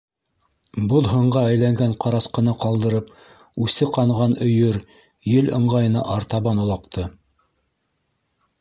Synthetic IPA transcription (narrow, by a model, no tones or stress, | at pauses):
boðˠɦɤ̆ɴɢɑæjlæŋɡæɴqɑɾɑsqɤ̆nɤqɑlˠd̪ɤ̆ɾɤp | ʉsɘqɑɴʁɑnɵ̆jɵɾ | jɘlɤ̆ɴʁɑjɤ̆nɑ̰ʔɑɾt̪ɑβɑnŏlˠɑqt̪ʰɤ